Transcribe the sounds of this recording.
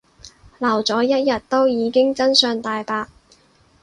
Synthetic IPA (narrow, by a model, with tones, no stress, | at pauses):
lɐ˨˩wt͡sɔː˨˥jɐ˥t̚jɐ˨t̚t̪ːo˥wjiː˨˧kɪ˥ŋt͡sɐ˥nsœː˨˧ŋt̪aː˨jpaː˧k̚